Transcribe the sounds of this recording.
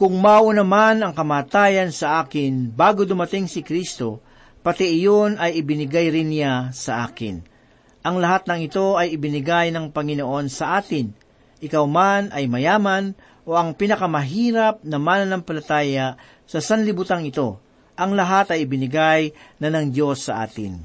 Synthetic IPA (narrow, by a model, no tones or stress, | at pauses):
kʊŋmaʔunɐmanɐŋkɐmaːt̪aːjɐnsɐʔaːkɪnbaːɡod̪ʊmɐt̪ɪŋsɪkɾist̪o̞ | pɐt̪ɛʔɪjonɐjɪbɪnɪɡajɾɪnːɪjasɐʔa̰ːkɪ̰n | ʔɐŋlɐɦat̪̚nɐŋɪt̪o̞ɐjɪbɪnɪɡajnɐŋpɐŋɪno̞ʔo̞nsɐʔaːt̪ɪn | ʔɪkawmanʔɐjmɐjaːmɐn | ʔo̞ʔɐŋpinɐkɐmɐɦiːɾɐp̚nɐmaːnɐnɐmpɐlɐt̪aːjɐ | sɐsɐnlɪbut̪aŋɪt̪o̞ | ʔɐŋlɐɦat̪ɐjɪbɪnɪɡajnɐnɐŋd̪jo̞sːɐʔa̰ːt̪ɪ̰n